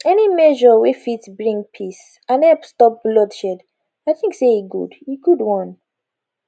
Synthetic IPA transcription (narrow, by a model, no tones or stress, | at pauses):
ɛnimɛʒɔwifitbɹĩŋpʰis | ãnɛlpstɔp̚blɔdʃɛd | aɪθĩŋkseiɡṵdiɡudwɔ̃n